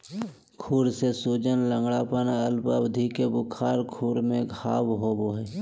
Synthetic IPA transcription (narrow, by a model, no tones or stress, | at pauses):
kʰuːɾsesuːd͡ʒənlə̃ŋɡɽapənaəlpəbd̪ʱikebʊkʰaːɾkʰuːɾmẽɡʱaːwɦoːboɦɛː